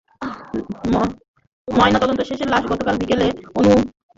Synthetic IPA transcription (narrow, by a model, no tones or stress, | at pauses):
m | mɔenat̪ɔd̪ont̪oʃeʃeɾlaʃɡɔt̪okalb̪ikeleonu